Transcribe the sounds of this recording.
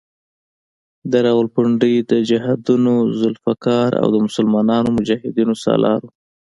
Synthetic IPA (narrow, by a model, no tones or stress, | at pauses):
d̪əɾɑɣʊlpʊɳɖid̪əd͡ʒaɦad̪unozʊlfakɑɾa̰wd̪əmʊsʊlmɑnɑnomʊd͡ʒɑhɪd̪inosɑ̰lɑ̰ɾo